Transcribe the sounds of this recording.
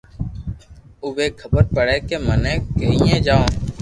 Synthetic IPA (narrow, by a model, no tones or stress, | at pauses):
ʊbeːkʰəbəɾpəɽeːkeːmənẽːɡəɦiːẽːd͡ʒaːõː